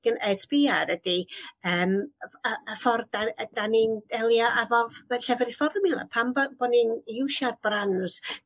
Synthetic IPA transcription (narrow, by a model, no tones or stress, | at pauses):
ɡ̥ənʔɛsb̥iːaɾədiəːməəfɔrdaəd̥anind̥ɛlˠjaʔavɔvɛɬɛvɛɾifɔrmilˠa̰pʰambɔb̥ɔninɪwʃarb̥ranz̥